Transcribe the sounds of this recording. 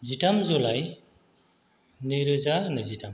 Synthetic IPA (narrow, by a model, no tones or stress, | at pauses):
zitamzolaj | niɾɯzanɯzitam